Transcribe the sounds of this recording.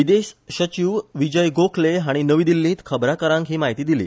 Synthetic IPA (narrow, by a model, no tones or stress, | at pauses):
ʋid̪eɕɕət͡ɕiʋʋid͡ʑəjɡokʰleɦaɽ̃inəʋiːd̪ilːĩːt̪kʰəbɾakəɾãŋkɦiːmaɦit̪iːd̪ilḭː